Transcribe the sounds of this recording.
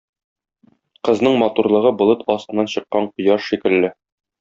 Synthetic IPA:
qɤ̆znɤɴmɒt̪uɾlˠɤ̆ʁɤbŏlˠɤt̪ʰɒst̪ɤ̆nːɑnɕɤ̆qːɑɴqŏjɑʃʃikɘ̆lːɘ

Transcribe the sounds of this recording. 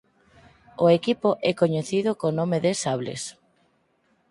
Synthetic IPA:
oekipoʔɛkoɲeθiðʊkonõmeðesaβlḛs

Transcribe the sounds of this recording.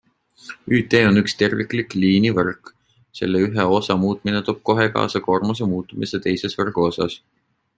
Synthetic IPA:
yːt̪ːˑe̞ːo̞nykst̪e̞rvikˑlikliːnivɤrk | se̞̰lːeyɦeo̞sɑmuːt̪ˑmine̞t̪oːb̥̚ko̞ɦe̞kɑ̰ːsɑko̞rmos̬emuːt̪ːˑumise̞t̪e̞jse̞svɤrɡ̥uo̞sɑ̰s

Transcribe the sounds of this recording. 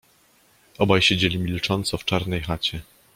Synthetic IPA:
ɔbajɕed͡ʑelʲimʲilt͡ʂɔnt̪sɔft͡ʂaɾnɛjxat͡ɕɛ

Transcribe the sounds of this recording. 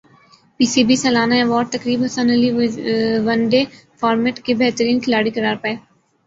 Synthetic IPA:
piːsiːbiːsəlaːnaeʋɔːʈ̚t̪əkɾiːbɦɐsə̃nəli | ʋənɖefaːɾmeːʈkebeɦt̪əɾiːnkʰɪlaːɽikəɾaːɾpəeː

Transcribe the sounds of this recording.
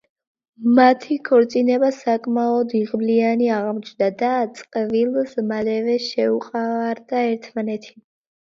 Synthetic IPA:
mat̪ʰikʰɔɾt̪sʼinɛbasakʼmaɔd̪iʁmlianiaʁmɔt͡ʃʰd̪ad̪at̪sʼqʼvilˠsmalɛvɛʃɛuqʼavaɾd̪aɛɾt̪ʰmanɛt̪ʰi̥

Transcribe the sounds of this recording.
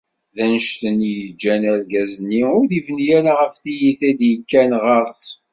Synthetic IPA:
ðænəʃt̪ənjəd͡ʒːænæɾɡæzənːiʊɾðivnijæɾaʁəfθijiθæd̪jəkːænʁəɾˤθ

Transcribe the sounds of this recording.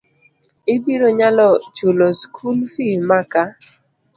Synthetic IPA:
ɪbiɾoɲalɔt͡ʃuloskʰulfimaka

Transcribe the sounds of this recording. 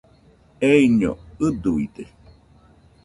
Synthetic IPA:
eiɲo̰ɨd̪uid̪e

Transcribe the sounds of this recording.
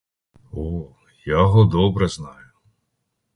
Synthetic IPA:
ɔ | jaɦɔd̪ɔbɾɛznɑjʊ

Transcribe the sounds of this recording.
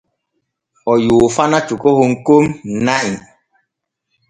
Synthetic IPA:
ɔjuːfanat͡ʃukɔhoŋ̩komn̩naʔiŋ

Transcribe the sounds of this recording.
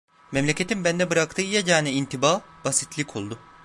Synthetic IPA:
mɛmlʲecʰe̞t̪ʰimbænd̪ɛbɯɾakt̪ʰɯːjaɟaːnɛint̪ʰibaːb̥asit̪lʲikʰolˠd̪ʊ

